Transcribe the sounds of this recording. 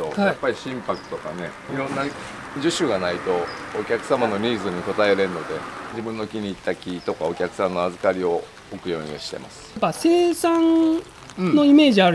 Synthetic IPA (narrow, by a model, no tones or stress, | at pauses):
ohajapːaɾʲiɕĩmpakɯ̟̥t̪o̞kane̞ | iɾõ̞nːa | d͡ʑɨɕɨɡanait̪o̞ːkʲakɯ̟̥samano̞ɾʲiːzɨɲ̟iko̞t̪aeɾe̞ɾɯno̞d̪e̞d͡ʑibɯ̟̃nːo̞kʲiɲ̟iːt̪ːakʲit̪o̞kao̞kʲakɯ̟̥sãnːo̞azɨkaɾʲio̞ | okɯ̟jo̞̰ːɲ̟ʲiɕi̥t̪e̞̰ma̰sɨ̥base̞ːsãn | no̞ime̞ːʑiaɾ